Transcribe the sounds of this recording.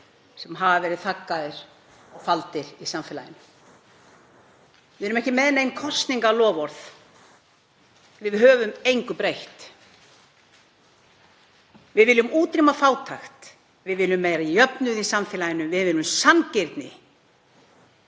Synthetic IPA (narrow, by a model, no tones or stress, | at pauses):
sɛmɦavavɛːɾɪðθakːaðɪɾ̥ | ɔɣfalt̪ɪɾisamfɪla̰jɪnːʏ | vɪðɛɾʏmɛhcɪmɛðɪnejnkʰɔst̪niŋkalɔːvɔɾθ | vɪðɦœːvʏmejŋkʏpɾejht̪ | vɪðvɪlːʏmuːt̪ɾimafaːwt̪ʰaxt̪ | vɪðvɪlːʏmːejɾaijœpnʏðisaɱfɪːlajɪnʏvɪðvɪːlʏmsancɪɾt̪nɪ̰